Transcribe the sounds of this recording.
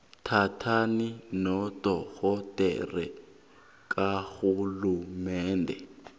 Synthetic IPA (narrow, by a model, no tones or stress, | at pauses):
tʰatʰaninɔtʼɔɣɔtʼɛ̰rɛ̰ | k̬ʼaxulumɛːndʱɛ